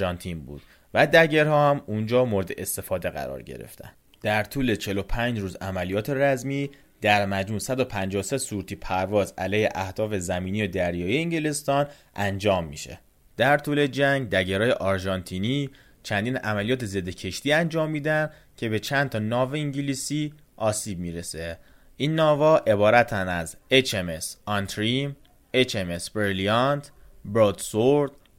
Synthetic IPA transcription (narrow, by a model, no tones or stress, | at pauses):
ɒnt̪ʰiːnbṵːd̪̥ | væd̪æɟeɾhɒːhæmund͡ʒɒːmoɾed̪e̞̰ʔest̪e̞fɒːd̪e̞ɣæ̰ɾɒ̰ːɾɟḛɾḛft̪æ̰n | d̪̥æɾt̪ʰuːle̞t͡ʃʰe̞lo̞pʰænd͡ʒɾuːzæmælijɒːt̪ʰe̞ɾæzmiː | d̪̥æɾmæd͡ʒmuːnsæd̪opʰænd͡ʒɒːose̞suɾt̪ʰiːpʰæɾvɒːzælɛːheʔæhd̪̥ɒːfe̞zæmiːnijod̪æɾjɒːijeiɲɟele̞st̪ɒːn | ʔænd͡ʒɒːmːḭʃḛ | d̪̥æɾt̪ʰuːle̞d͡ʒæŋɟd̪æɟeɾɒːjeʔɒɾʒɒnt̪ʰiːniː | t͡ʃʰænd̪iːnʔæ̰mælijɒːt̪ʰe̞ze̞d̪ːecʰe̞ʃt̪iːænd͡ʒɒːmːiːd̪ænd̪ | cʰe̞be̞t͡ʃʰænt̪ʰɒːnɒːveiɲɟiliːsiː | ʔɒːsiːb̚miːɾese | ʔiːnːɒːvɒːʔe̞bɒːɾæt̪ʰænæzet͡ʃemesɒnt̪ʰɾim | et͡ʃemesb̥eɾliɑnt̪ | bɾod̪soɾd̪̥